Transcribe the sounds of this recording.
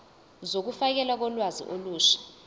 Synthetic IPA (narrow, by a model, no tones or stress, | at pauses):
zok̬ufak̬ɛlwak̬ɔlwazḭʔoluːʃḁ